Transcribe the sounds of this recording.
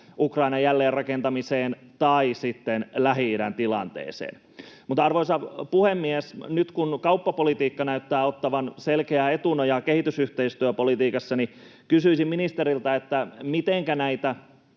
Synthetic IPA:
ʔukrɑinɑjjælːeːrrɑkent̪ɑmiseːnt̪ɑisit̪ːenlæɦiiɾænt̪ilɑ̰nt̪ḛːsḛːn | mut̪ɑrʋoisɑpuhemːiesnyt̪kunkɑupːɑpolit̪iːkːɑnæyt̪ːæːot̪ːɑʋɑnselkeæet̪unojɑkehit̪ysyht̪eist̪yøpolit̪iːkɑsːɑnikysyisiminist̪eɾilt̪ɑet̪ːæmit̪eŋkænæit̪æ

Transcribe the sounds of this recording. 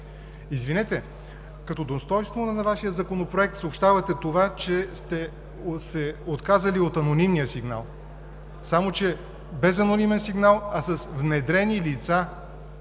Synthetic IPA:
izvinɛt̪ɛ | kɐt̪ɔd̪ost̪ɔjst̪vovaʃijəzɐkonopɾoɛk̚t̪səopʃt̪avɐt̪ɛt̪ovat͡ʃɛst̪ɛ | sɛot̪kazɐliot̪ɐnonimnijəsiɡna̰lˠ | samot͡ʃɛ | bɛzɐnonimɛnsiɡnalˠɐsɐsvnɛd̪ɾɛnilit̪sa

